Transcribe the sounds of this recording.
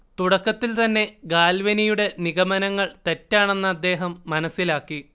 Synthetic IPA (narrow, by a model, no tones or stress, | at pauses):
t̪uɽɐkːɐt̪ːilt̪ɐnːe̞ɡaːlʋɐnijuɽe̞niɣɐmɐnɐŋːɐɭt̪e̞tːaːɳe̞nːɐːd̪ːe̞ːɦɐmːɐnɐsːilaːkːi